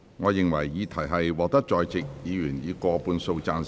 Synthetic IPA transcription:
ŋɔː˨˧jɪ˨ŋwɐ̰˨˩jːiː˨˧t̪ʰɐ˨˩jɦɐ˨jwɔː˨k̚t̪ɐ˥k̚t͡ʃɔː˨jt͡sɪ˨k̚jiː˨˧jyː˨˩njiː˨˧kʷɔː˧puː˧nso˧wt͡saː˧n

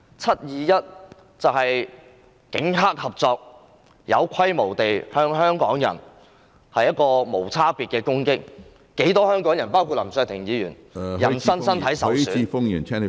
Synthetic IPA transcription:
t͡sʰɐ˥t̚jiː˨jɐ˥t̚ | t͡sɐ˨whɐ˨j | kɪ̰˨˥ŋɦaː˥k̚hɐ˨p̚t͡sɔː˧k̚ | jɐ̰˨˧wkʷʰɐ˥jmo˨˩wt̪e˨jhœː˥ŋɦœː˥ŋkɔː˨˥ŋjɐ̰˨˩n | hɐ˨jɐ˥t̚kɔː˧mo˨˩wt͡sʰaː˥piː˨t̚kɛː˧kʊ˥ŋkɪ˥k̚ | ke˨˥jt̪ɔː˥hœː˥ŋkɔː˨˥ŋjɐ˨˩npaː˥wkʰuː˧t̚lɐ̰˨˩msœː˨˧t̪ʰɪ˨˩ŋjiː˨˧jyː˨˩n | jɐ˨˩nsɐ˥nsɐ˥nt̪ʰɐ˨˥jsɐ˨wsːi˧fʊ˥ŋjy˨˩nt͡ʃʰɛ˥˨

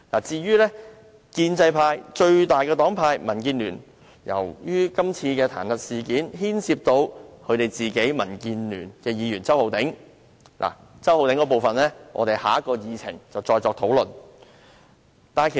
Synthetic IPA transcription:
la̰ː˨˩t͡siː˧jyː˥lɛː˥ | kiː˧nt͡sɐ˧jpʰaː˧jt͡ʃɵ˧ɥt̪aː˨˩jkɛː˧t̪ɔː˨˥ŋpʰaː˧jmɐ˨˩nkiː˧nlyː˨˩n | jɐ̰˨˩wjyː˥kɐ˥mt͡sʰiː˧kɛː˧t̪ʰa̰ː˨˩nhɐ˨t̚siː˨kiː˨˥nɦiː˥nsi˧p̚t̪o˧wkʰɵ˨˧ɥt̪e˨jt͡siː˨˩ke˨˥jmɐ˨˩nkiː˧nlyː˨˩nkɛː˧jiː˨˧jyː˨˩nt͡sɐ˥who˨˧wt̪ɪ˨˥ŋ | lʔa̰ː˨˩ | t͡sɐ˥who˨wt̪ɪ˨˥ŋkɔː˧p̬o˨wfɐ˨nlɛː˥ŋʔɔ̰˨˧t̪e˨jhaː˨˥ɐ˥kːɔː˧jiː˨˧t͡sʰɪ̰˨˩ŋt͡sɐ˨wt͡sɔː˧jt͡sɔː˧k̚t̪ʰo˨˥wlɵ˨n | t̪aː˨kʰe˨˩

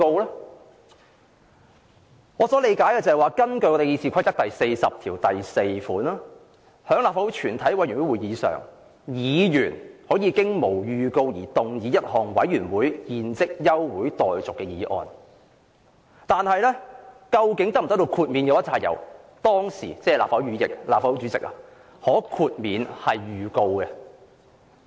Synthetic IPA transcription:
o˧wlɛː˥ | ŋɔː˨˧sɔː˨˥le˨˧jkaː˨˥jkɛ˧t͡sɐ˨˩hɐ˨jwaː˨˧kɐ˥nkɵ˧ɥkɔː˧t̪e˨˧jiː˧sʰiː˧kʷʰɐ˥jt̪ɐ˥k̚t̪ɐ˨jse˧jsɐ˨p̚t̪ʰiː˨˩wt̪ɐ˨jse˧jfuː˨˥naː˥ | hœː˨˥ŋlaː˨p̚faː˧wu˨˥t͡ʃʰyː˨˩nt̪ʰɐ˨˥jwɐ˨˥jy˨˩wu˨˥jwuː˨˩jjiː˨˧sœ̰ː˨ŋ | jiː˨˧jyː˨˩nhɔː˨˥jiː˨˧kɪ˥ŋmo˨˩wjyː˨˧ko˧wjḭː˨˩t̪ʊ˨ŋjiː˨˧jɐ˥t̚hɔː˨ŋwɐ˨˥jɥyː˨˩nwuː˨˥jjiː˧nt͡sɪ˥k̚jɐ˥wwuː˨˥jt̪ɔː˨jt͡sʊ˨kːɛ˧jiː˨˥ʔɔ̰ː˧n | t̪aː˨nhɐ˨jlɛ˥kɐ˧wkɪ˨˥ŋt̪ɐ˥k̚m̩˨˩ɐ˥t̪o˧wkʰuː˧t̚mi˨˧njɐ˨˧wjɐ˥t̚t͡sʰaː˧j̚jɐ̰˨˩wt̪ɔː˥ŋsiː˨˩t͡sɛː˥˨laː˨pfɐ˨˧˥wɥyː˨˧˥jɪ̰˨k̚la̰ː˨p̚fa˧˥wu˨˥t͡ʃyː˨˧˥t͡sɪ̰˨k̚ɐ˨ | hɔː˨˥kʰuː˧t̚miː˨˧nhɐ˨jjyː˨˧ko˧wkɛ˧

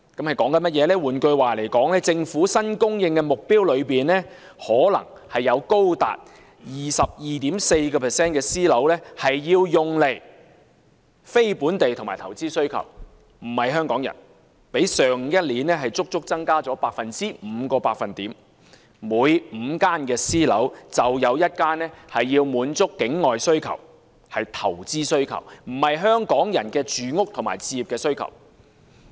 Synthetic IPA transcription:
kɐ˨˥mhɐ˨jkɔː˨˥ŋkɐ˨˧nmɐ˥t̚jɛː˨˧lɛː˥wuː˨˩nkɵ˧ɥwaː˨le˨˩jkɔː˨˥ŋlɛː˥t͡sɪ˧ŋfuː˨˥sɐ˥nkʊ˥ŋjɪ˧ŋkɛː˧mʊ˨k̚piː˥wlɵ˨˧ɥpiː˨˩nlɛː˥ | hɔː˨˥lɐ̰˨˩ŋ | hɐ˨jːɐ˨˧wko˥wt̪a̰ː˨t̚ | jiː˨sɐ˨p̚jiː˨t̪i˨˥mse˧jkɔː˧pʰɛː˨sɛː˥nkɛː˧siː˥lɐ˨˥wlɛː˥hɐ˨jːiː˧wjʊ˨ŋle˨˩j | fe˥jpuː˨˥nt̪e˨jt̪ʰʊ˨ŋmaː˨jt̪ʰɐ˨˩wt͡siː˥sɵ˥ɥkʰɐ̰˨˩w | m̩˨˩hɐ˨jɦœː˥ŋkɔː˨˥ŋjɐ̰˨˩n | pe˨˥jsœː˨ŋ˨jɐ˥t̚liː˨˥nɛː˥ɦɐ˨jt͡sʊ˥k̚t͡sʊ˥k̚t͡sɐ˥ŋkaː˥t͡sɔː˨˥paː˧k̚fɐ˨nt͡siː˥m̩ː˨˧kɔː˧paː˧k̚fɐ˨nt̪iː˨˥m | muː˨˧˥jm̩ː˨˧kaː˥nkɛː˧siː˥lɐ˨˥wt͡sɐ˨wjɐ˨˧wjɐ˥t̚kaː˥nɛː˥hɐ˨jːiː˧wmuː˨˥nt͡sʊ˥kːɪ˨˥ŋːɔː˨jsɵ˥ɥkʰɐ̰˨˩w | hɐ˨jt̪ʰɐ̰˨˩wt͡siː˥sɵ˥ɥkʰɐ̰˨˩wm̩˨˩hɐ˨jɦœː˥ŋkɔː˨˥ŋjɐ̰˨˩nkɛː˧t͡ʃyː˨ŋʊ˥k̚t̪ʰma̰ː˨˩jt͡sʰiː˨˧ji˨p̚kɛː˧sɵ˥ɥkʰɐ̰˨˩w

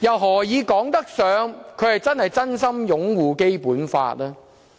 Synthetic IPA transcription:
jɐ˨wɦɔː˨˩jiː˨˧kɔː˨˥ŋt̪ɐ˥k̚sœː˨˧ŋkʰɵ˨˧ɥhɐ˨jt͡sɐ˥nhɐ˨jt͡sɐ˥nsɐ˥mjʊ˨˥ŋwuː˨ke˥jpuː˨˥nfa̰ː˧t̚lɛː˥

